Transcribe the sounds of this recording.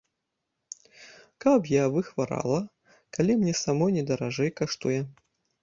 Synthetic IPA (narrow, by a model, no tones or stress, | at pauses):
kɐpjavɨxvaɾa̰lˠɐ | kalʲimnʲɛsamɔjnʲɛd̪ɐɾaʐɛjkaʂt̪ujɛ